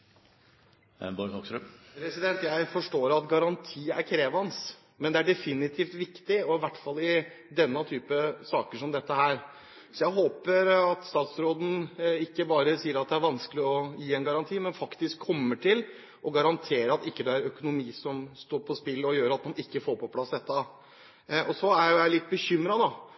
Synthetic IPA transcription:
boɔksɾʉpʰɾɛsɪd̪ɛnt̪jæɪfɔʂʈoːɾɑt̪ɡɑɾɑnt̪ʰiːæ̰ɾkʰɾeːʋɑns | mɛnd̪ɛæɖɛfɪnɪt̪ʰiːft̪ʋɪkt̪ɪɔɪʋæʈːfɑlːɪ | d̪ɛnːɑt̪ʰyːpəsɑːkəʂɔmd̪ɛt̪ːəɦæːɾ | sɔjæɪɦoːpəɾɑt̪st̪ɑːt̪sɾoːd̪ən̩ɪkːəbɑːɾəsiːəɾɑt̪̚d̪ɛæɾʋɑnskəlɪɔjiːɛnɡɑɾɑnt̪ʰiːmɛnfɑkt̪ɪskʰːɔmːəʈʰɪl | ʔɔɡɑɾɑnt̪ʰeːɾəɑt̪ɪkːəd̪ɛæɾœkʊnʊmiːsɔmst̪oːɾpʰɔspɪlːɔjøːɾɑt̪mɑnɪkːəfoːɾpʰɔpʰlɑsd̪ɛt̪ːɑ | ʔɔsɔæɾjʊjæɪlɪt̪̚ːbəçʏmɾɑd̪ɑ

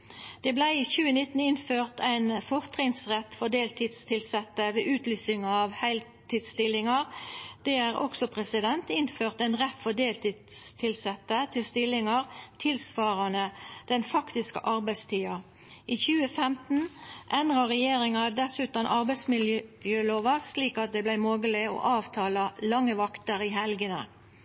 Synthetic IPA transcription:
d̪̥ɛːblæɪiːçʉːənɪt̪ːn̩ɪnføːʁt̪ʰæɪnfɔʁt̪ʰʁɪŋsʁɛt̪ːfɔʁd̪eːlt̪ʰɪːd̪st̪ʰɪlsɛt̪ːəʋeːʔʉːt̪lyːsɪŋɑɑʋhæɪl | t̪ɪd̪st̪ɪlːɪŋɑʁd̪̥ɛæːʁʔɔ̰ksɔpʰʁɛsɪd̪ɛnt̪ɪnføːʁt̪æɪnʁɛt̪fɔd̪eːlt̪ɪ | st̪ʰɪlsɛt̪ːət̪ʰɪlst̪ɪlɪŋɑʁt̪ʰɪlsʋɑːʁɑnəd̪̥ɛnfɑkt̪ɪskə̰ʔɑʁbæɪst̪ʰiːɑ | ʔiːçʉːəfɛmt̪n̩ʔɛnʁɑʁɛjeːʁɪŋɑd̪ɛsʉːt̪ɑnʔɑʁbæɪsmɪljøjøːloːʋɑsliːkɑt̪̚d̪ɛːblæɪmoːɡəlɪo̰ʔɑːʋt̪ʰɑːlɑlɑŋːəʋɑkt̪əɾɪɦɛlɡənə̰

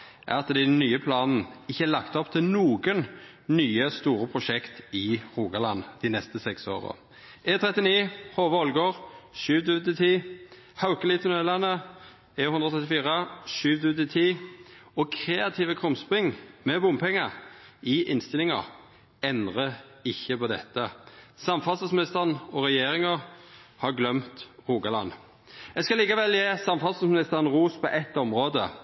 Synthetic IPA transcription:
ʔæ̰ʁɑt̪d̪ɛɪnyːəpʰlɑːnn̩ɪçːəæɾlɑkt̪ɔpt̪ʰɪlnuːɡən | nyːəst̪uːɾəpʰʁʊʃɛkt̪ɪʁuːɡɑlɑnd̪ɪnɛst̪əsɛkso̰ːʁə̰ | ɛt̪ʰɾɛt̪ɪniːhoːʋəɔlɡoːʁʃʉːʋd̪ʉʋət̪ɪt̪ʰiː | haʊkəlɪt̪ʰnølɑnə | ɛʊnd̪ʁɔt̪ʰʁɛt̪̬ːɪfiːʁəʃʉːʋd̪ʉət̪ɪt̪ʰiːɔkʰɾeːɑt̪ʰiːʋəkʰʁʊmspʁɪŋmɛbʊmpʰɛŋːəɪʔɪnst̪ɪlɪŋə̰ʁ | ɛnd̪ʁə | ɪçːəpʰɔd̪ɛ̰t̪ːəsɑmfɑst̪əsmɪnɪst̪əʁənɔʁɛjeːɾɪŋəʁhɑɾɡlœmt̪ʁuːɡɑlɑ̰n | ɛɡskɑliːkɑʋɛljeːsɑmfɑsəsmɪnɪst̪əʁənʁuːspʰɔʔɛt̪ːɔmʁoːd̪ə̰

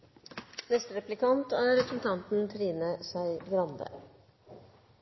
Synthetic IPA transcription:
nɛst̪əɾɛplɪkʰɑnt̪æːɾːɛpɾəsn̩t̪ʰɑnt̪n̩t̪ʰɾiːnəsæɪɡɾɑnd̪ə̰

